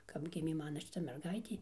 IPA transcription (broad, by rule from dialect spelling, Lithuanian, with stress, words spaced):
kɐp ˈɡʲɪmʲeː ˈmɑːnɐ ʃʲɪˈtɐ mʲɛrˈɡɐɪtʲeː